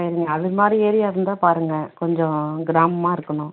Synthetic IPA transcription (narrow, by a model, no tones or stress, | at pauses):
ɪɾɯŋɡɐːðɯmaːd̪ɾieːɾɪjaːɪɾɯnd̪aːpaːɾɯŋɡɐkɔɲd͡ʒɔ̃ɡɪɾaːmɐmaːɪɾɯkːɐɳʊ̃